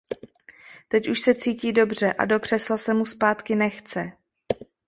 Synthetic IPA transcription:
t̪ɛcuʃsɛt͡siːciːdo̞br̝ɛʔa̰do̞kr̝̥ɛslasɛmuspaːt̪kɪnɛxt͡sɛ

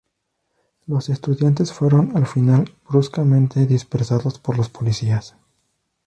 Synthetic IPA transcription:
lo̞se̞st̪uðjant̪e̞sfwe̞ɾo̞nalfinalbɾuskamẽ̞nt̪e̞ðispeɾsaðo̞spo̞ɾlospo̞lisias

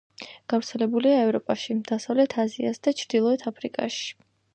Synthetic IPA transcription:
ɡ̥avɾt̪sʰɛlɛbuliaɛvɾɔpʼaʃid̪̥asavlɛt̪ʰaziasd̪̥at͡ʃʰɾd̪̥ilˠɔɛt̪ʰapʰɾikʼa̰ʃi̥

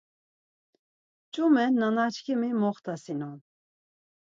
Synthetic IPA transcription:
t͡ʃʼumɛnːanat͡ʃkʰimimɔχt̪ʰasinɔn

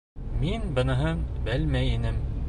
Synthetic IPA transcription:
minbɤ̆nɤ̆ɦɤɴbɘlmæjinɘm

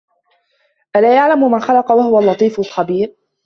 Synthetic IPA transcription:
ʔalaːjaʕlammanxalɑqɑwahʊwalːɑt̪ˤiːfʊlxabiːɾ

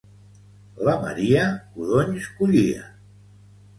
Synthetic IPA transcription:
ləmə̰ɾiəkuðoɲskuʎiə̰

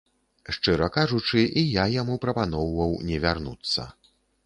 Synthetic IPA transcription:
ʂt͡ʂɨɾɐkaʐut͡ʂɨʔijajamupɾɐpanɔwvɐwnʲɛvʲarnṵt̪sːɐ̰

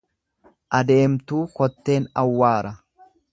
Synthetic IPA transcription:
ʔɐd̪e̞ːmt̪uːkɔt̪ːe̞ːnɐwːaːɾɐ

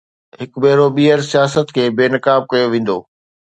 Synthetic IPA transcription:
ɦɪkbeɦɾoɓiːəɾsijaːsət̪kʰeːbeːnɐkaːb̚kɐjoʋẽːn̆d̪o̰ː

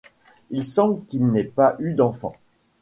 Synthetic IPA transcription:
ilsɑ̃blkilnɛpaʔyd̪ɑ̃fɑ̰̃

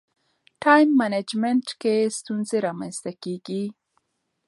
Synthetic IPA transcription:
ʈɑjmːaned͡ʒmeɳʈkest̪unzeɾɑmanst̪akeɡi

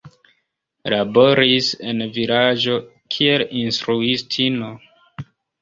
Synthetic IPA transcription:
labo̞ɾise̞nviɾad͡ʒo̞ | kʰie̞linstɾuistʰino̞

